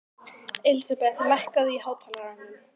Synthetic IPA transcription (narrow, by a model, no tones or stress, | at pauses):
ɪlsapɛθlɛhkaðʏihaːwt̪ʰalaanɪn